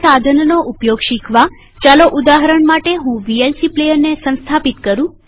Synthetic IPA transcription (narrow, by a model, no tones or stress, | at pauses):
sad̪ʱənnoʔupjoɡʃikʰʋa | t͡ʃaloʔud̪aɦəɾəɳmaʈeɦũʋielsiplejəɾnesə̃ñst̪ʰapit̪kəɾũ